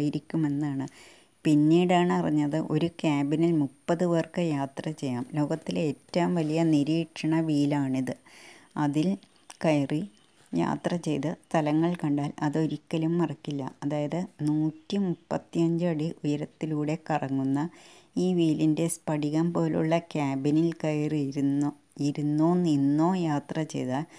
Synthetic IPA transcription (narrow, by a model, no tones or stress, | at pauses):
jiɾikʲːume̞nːaːɳɨ | pinːiːɽaːɳɨɐriɲːɐðɨʔo̞ɾukaːbinɐlmupːɐðɨʋɐrkɨjaːt̪rɐt͡ɕe̞jːaːmlo̞ːɡɐt̪ːiletːɐmʋɐlijɐniɾiːʈʂɐɳɐʋiːlaːɳiðɨɐðil | kɐjri | ja̰ːt̪rɐt͡ɕe̞jt̪ɨst̪ɐlɐŋːɐɭkɐɳɖaːlɐðo̞ɾikʲːɐlumːɐrɐkːilːɐ̰ɐðaːjɐðɨnuːtːimupːɐt̪ːijɐɲd͡ʑɨɐɽiʔujɐɾɐt̪ːiluːɽe̞kɐrɐŋːunːɐiːʋiːlinde̞spɐɽiɣɐmpo̞ːlṵɭːɐkaːbɐnilkɐjriɾu | iɾunːoːninːo̞ːjaːt̪rɐt͡ɕe̞̰jðaːl